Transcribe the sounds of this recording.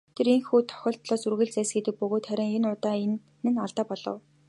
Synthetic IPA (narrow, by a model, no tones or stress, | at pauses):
t̪ʰeɾeŋxuːt̪ʰɔ̥xʲɔ̆ːɬt̪ɮɔːsurɣɘ̆ɮt͡sæːsɡet̪ɘ̆k̚pɵɣoːt̪χæɾʲɪ̆ŋenʊrt̪aːenː | ɘ̆naɮt̪aːpɔɮɞ̰̆w